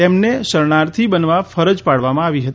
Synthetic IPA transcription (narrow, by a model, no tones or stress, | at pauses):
emneʃəɾɳaɾt̪ʰibənʋafəɾəd͡ʒpaɽʋamãaʋiɦət̪